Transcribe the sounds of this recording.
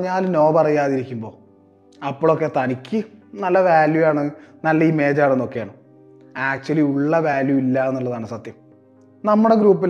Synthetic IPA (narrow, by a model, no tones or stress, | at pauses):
ɲːaːlno̞ːbɐrɐjaːðiɾikʲːumbo̞ː | ɐpːoːɭo̞kːe̞t̪ɐnikʲːɨnɐlːɐʋaːljujaːɳɨnɐlːɐiːme̞ːd͡ʑaːɳenːo̞kːejaːɳɨm | aːk̚t͡ɕːuɐliuɭːɐʋaːljuilːaenːuɭːɐðaːɳɨsɐt̪jɐm | nɐmːuɽe̞ɡɾuːpːil